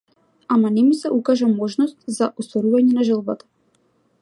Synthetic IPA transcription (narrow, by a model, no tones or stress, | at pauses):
amanɛmisɛʔukaʒamɔʒnɔst̪zaʔɔst̪vɔɾuvaɲɛnaʒəlˠba̰t̪ḁ